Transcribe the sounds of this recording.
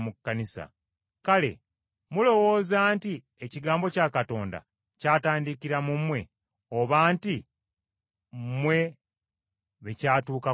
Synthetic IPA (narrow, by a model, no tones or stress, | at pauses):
mukːanisa̰ | kale̞̰ | mulo̞wo̞ːzaːnti | eciɡaːmbo̞caːkato̞ːnda̰ | caːtaːndikiɾamumwe̞ | oβaːnti | mwe̞ | βecaːtuːka